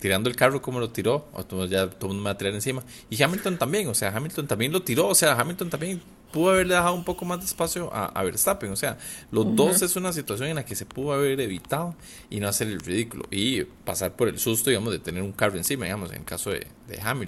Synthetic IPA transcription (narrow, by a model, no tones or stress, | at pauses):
t̪iɾand̪oelkaro̞ko̞molo̞t̪iɾo̞̰omat̪oðomund̪ome̞βat̪iɾaɾensima | ixamilt̪ont̪ambje̞ŋoseaxamilt̪ont̪ambje̞ŋlo̞t̪iɾo̞ːse̞axamilt̪ont̪ambje̞ŋ | puðoaβe̞ɾleðexaðoumpo̞komazd̪espasjoʔa̰ʔa̰βeɾst̪apiŋose̞alo̞zd̪o̞se̞sunas̬it̪was̬jo̞ŋe̞nlake̞se̞puðoaβ̞e̞ɾe̞βit̪að̞o | inoase̞ɾelriðikulo̰ʔipasaɾpo̞ɾe̞lsust̪oiɣamozd̪et̪ene̞ɾuŋkaroensimaðḭɡamo̞sḛŋḛlkaso̞ðḛd̪e̞̰xamil